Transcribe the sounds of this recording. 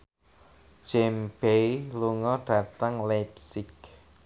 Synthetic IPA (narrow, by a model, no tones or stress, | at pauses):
d͡ʒ̥ɛmb̥ejluŋɔɖ̥ä̤t̪əŋlɛpsɪk